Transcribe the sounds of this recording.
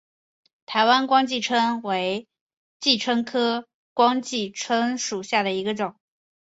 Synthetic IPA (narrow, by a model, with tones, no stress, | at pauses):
t̪ʰa˧˥ɪwa˥nkwɑ˥ŋt͡ɕi˥˩ʈ͡ʂʰə˥nwe˧˥ɪ | t͡ɕi˥˩ʈ͡ʂʰə˥ŋkʰɤ˥ | kwɑ˥ŋt͡ɕi˥˩ʈ͡ʂʰə˥ŋʂu˨˩ɕja˥˩d̪ə˩i˧˥ɡə˧ʈ͡ʂʊ˨˩˦ŋ